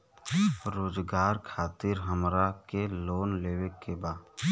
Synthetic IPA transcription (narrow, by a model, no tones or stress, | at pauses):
ɾoːd͡ʒɡaːɾkʰaːt̪ɪɾɦəmɾakeloːnleːwekebaː